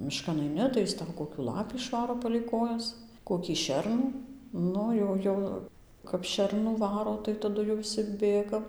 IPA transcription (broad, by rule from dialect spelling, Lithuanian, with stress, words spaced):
mʲɪˈʃkɐn ɐɪˈnʲɪ tɐɪ jɪs ˈtɐʊ ˌkoːkʲʊ ˈlˠɑːpʲiː ɪʃˈʋɑːroː pɐlʲɛɪ ˈkoːjɛs ˌkoːkʲiː ˈʃʲɛrnuː ˈnʊ jɛʊ ˈjɛʊ kɐp ˈʃʲɛrnuː ˈʋɑːroː tʲɪk tɐˈdʊ jɛʊ ʋʲɪˈsʲɪ ˈbʲeːɡɐm